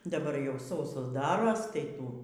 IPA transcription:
dɐˈbɐr jɛʊ ˈsɐʊsoːs ˈdɑːroːs tɐɪ ˈtuː

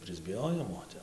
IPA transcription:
pʲrʲɪzʲbʲɪˈjoːjoːm oː ˈtʲɛp

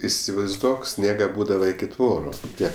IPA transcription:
ɪsʲɪʋɐɪzˈduɔk ˈsʲnʲiɛɡɐ ˈbuːdɐʋɐ ɪkʲɪ ˈtʋoːrʊ ˈtʲiɛk

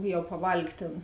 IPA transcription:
ˈjɛʊ pɐˈʋɐlʲkʲ ˈtʲeːn

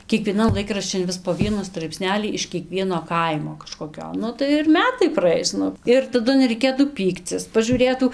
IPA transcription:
kʲiɛkʋʲiɛˈnɐn ˈlˠɐɪkrɐʃʲt͡ʃʲɪn ˈʋʲɪs poː ˈʋʲiɛnʊ strɐɪpʲˈsʲnʲæːlʲiː ɪʃ kʲiɛˈkʋʲiɛnoː ˈkɐɪmoː kɐʃkoːˈkʲoː ˈnʊ tɐɪ ɪr ˈmʲæːtɐɪ prɐˈɐɪs ˈnʊ ˈɪr tɐˈdʊ nʲɛrʲɛɪˈkʲeːtuː ˈpʲiːkt͡sʲɪs pɐʒuːˈrʲeːtuː

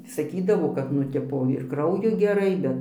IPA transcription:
sɐˈkʲiːdɐʋoː kɐt nʊ ˈtʲɪpoː ɪr ˈkrɐʊjʊ ɡʲɛˈrɐɪ ˈbʲɛt

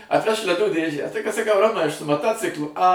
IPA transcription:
ɐtʲˈʋʲɛʃk lʲɛˈduː ˈdʲeːʒʲæː tɐɪ kɐt sɐˈkɐʊ ˈroːmɐɪ ɐʃ sʊ mɐˈtoːt͡sʲɪklˠʊ ɐ

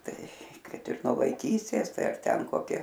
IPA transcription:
ˈtɐɪ ˈkɐt ɪr nuɔ ʋɐɪˈkʲiːsʲtʲeːs ˈtɐɪ ɐr ˈtʲɛn koːˈkʲɪ

